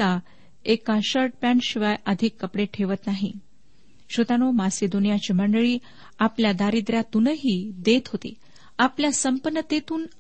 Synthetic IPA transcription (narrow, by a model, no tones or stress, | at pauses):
a | ekaɕəɾʈ̚pæɳɕiʋajəd̪ʱikːəpɽeʈʰeʋət̪naɦḭ | ɕət̪anomased̪onijat͡ɕim̤əɳɖəɭiː | apljad̪aɾid̪ɾjat̪unəɦiːd̪et̪ɦot̪ḛ | apljasəmpənːət̪et̪uːn